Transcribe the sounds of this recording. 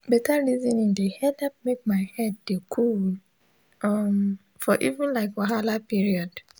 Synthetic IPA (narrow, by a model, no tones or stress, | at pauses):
bɛtʰaɹizɔ̃nĩndehɛdap̚mek̚maɪhɛd̚dekʰul | ʔɔm | fɔʔivũnlaɪkwaɦalapiɹiɔd̥